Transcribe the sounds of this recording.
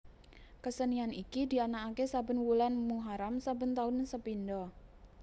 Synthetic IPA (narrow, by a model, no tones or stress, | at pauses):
kəsənianikid̪ianaakesabə̤nwulanmuɦaɾamsabənt̪aʊnsəpindɔ